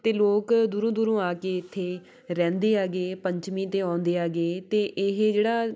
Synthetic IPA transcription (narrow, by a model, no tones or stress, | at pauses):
t̪eːloːkd̪uːɾõːd̪uːɾõːaːkeːɪt̪ʰːeː | ɾɛ̃ːnd̪eːaːɡeːpəɲt͡ʃmĩːt̪eːãːnd̪eːaːɡeːt̪eːʔɪɦd͡ʒeːɽaː